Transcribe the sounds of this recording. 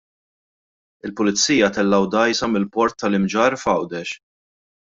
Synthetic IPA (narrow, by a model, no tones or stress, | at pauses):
ɪlpʊlɪt͡sːiːjɐt̪ɛlːɐwd̪ɐjsɐmɪlpɔɾt̪ːɐlɪmd͡ʒɐːɾfɐwd̪ɛʃ